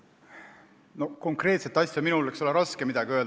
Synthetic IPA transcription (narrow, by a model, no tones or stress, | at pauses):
no̞ko̞ŋkre̞ːt̪set̪ːˑɑsʲjɑminulekso̞leɾɑske̞mid̪̥ɑɡʲiø̞ːl